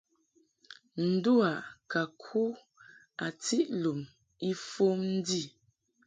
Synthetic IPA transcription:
n̩˨du˦a˨ʔka˨kʰu˦ | a˨ti˦ʔlu˨m | i˦fo˦mn̩˦di˦˨

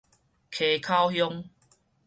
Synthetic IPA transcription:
kʰe˨˩kʰa˦˧whjɔ˦˧ŋ

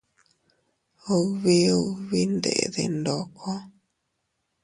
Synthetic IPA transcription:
o˧βe˦o˧˨βe˦ndḛ˨ðḛ˨ndɔ˨kʰɔ˦

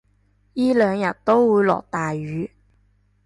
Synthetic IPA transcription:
jiː˥lœː˨˧ŋjɐ˨˩t̚t̪o˥wwuː˨˧˥jlɔ̰˨˩k̚t̪aː˨jyː˨˧˥

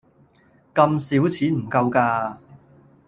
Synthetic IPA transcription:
kɐ˧msiː˨˥wt͡sʰiː˨˥nm̩˨˩kɐ˧wkaː˧

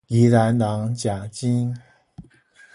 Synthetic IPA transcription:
i˧˥la˨˧˥nnɑ˧˥ŋt͡ɕja˨˩t͡ɕi˥n

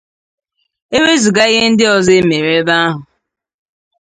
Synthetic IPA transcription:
e˦we˦zu˨ɡa˦i˦ɦe˦n̩˦dɪ˦ɔ˨ze˦me˨ɾe˦ba˦a˦ɦʊ˨

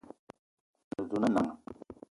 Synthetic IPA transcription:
nə˨zu˨na˦na˨ŋ˨

